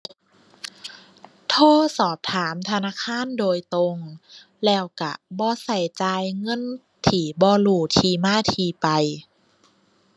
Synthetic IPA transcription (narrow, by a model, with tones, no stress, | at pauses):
t̪ʰoː˧˥˨sɔː˨˩p̚t̪ʰaː˩˦mt̪ʰa˧naː˧˥˨kʰaː˧˥˨ndoː˧jt̪o˧ŋ | lɛː˧˩wka̰˧˩bɔː˧˦sa˨˧˩jt͡ɕaː˧jŋɤ˧˥˨n | t̪ʰiː˧˩bɔː˧luː˧˩t̪ʰiː˧˩maː˧˥˨t̪ʰiː˧pa˧j